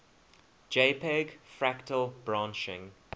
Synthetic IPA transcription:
d͡ʒeːpʰɛɡfɹæktəlbɹɑ̃nt͡ʃɪ̰̃ŋ

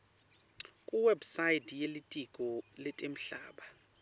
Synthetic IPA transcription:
kʼuwɛbsajitʰʼjelitʼikʼɔlɛtʼem̩ɬaːɓa

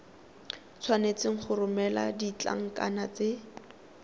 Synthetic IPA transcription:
t͡sʰwanet͡sɪŋ̩χʰʊrʊmɛla̰dit͡ɬa̰ŋ̩ka̰nat͡se

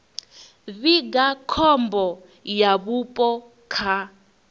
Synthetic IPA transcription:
βiɡakʰɔmbɔ | jaβupʼɔ | kʰa

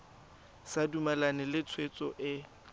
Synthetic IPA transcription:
sadumalanɛlɪt͡sʰwet͡sʼɔʔɪ

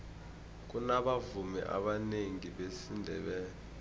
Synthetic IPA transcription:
k̬unaɓavumɛ̰ʔa̰ɓaneŋiɓesindʱɛ̰ɓɛːɛ

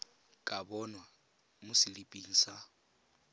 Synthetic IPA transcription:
kʼabɔnwa | mʊsɪlipʼiːŋ̩sa

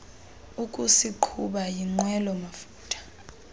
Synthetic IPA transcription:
ukʼusiǃʰuɓajiŋ͡ǃwɛlɔmafuːtʼʰḁ

